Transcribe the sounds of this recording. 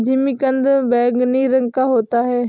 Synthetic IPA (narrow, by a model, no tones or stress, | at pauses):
d͡ʒɪmikənd̪bɛːɡnĩːɾəŋkaːɦoːt̪aːɦɛː